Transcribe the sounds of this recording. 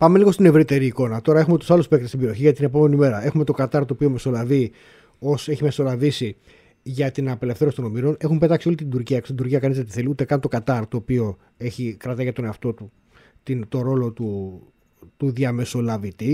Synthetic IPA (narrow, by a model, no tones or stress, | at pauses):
pɐme̞liɣo̞st̪ine̞vɾit̪e̞ɾiːko̞nɐt̪o̞ɾɐexume̞t̪u̥sɐluspek̚t̪est̪ibe̞ɾioçiʝɐt̪ine̞po̞me̞nime̞ɾɐe̞xume̞t̪okɐt̪ɐɾt̪oːpio̞me̞so̞lɐvi | o̞se̞çime̞so̞lɐvisi | ʝɐt̪inɐpe̞le̞fθeɾosit̪o̞no̞miɾo̞ne̞xumpet̪ɐksio̞lit̪ind̪uɾciɐkosind̪uɾciɐkɐnizðet̪iθe̞liut̪e̞kɐnt̪o̞kɐt̪ɐɾt̪o̞ːpio̞ | e̞çikɾɐt̪ɐʝɐt̪o̞ne̞ɐft̪o̞t̪u | t̪it̪o̞ɾo̞lo̞t̪u | t̪uðiɐme̞so̞lɐvit̪i